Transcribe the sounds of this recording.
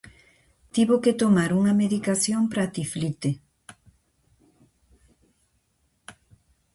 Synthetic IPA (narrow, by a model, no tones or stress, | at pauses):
t̪iβoket̪omaɾuŋɐmeðikasjompɾat̪iflit̪e